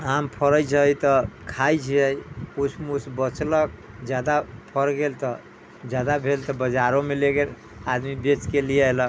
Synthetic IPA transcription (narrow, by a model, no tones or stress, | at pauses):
ampʰəɾəjt͡ʃʰəjt̪ɔkʰajt͡ʃʰiejut͡ʃʰmeusbət͡ʃlək̚ | d͡ʒad̪apʰəɾɡelt̪ɔ | d͡ʒad̪abʱelt̪ɔbəd͡ʒaɾomelekeɾ | ad̪mibet͡ʃkeliələk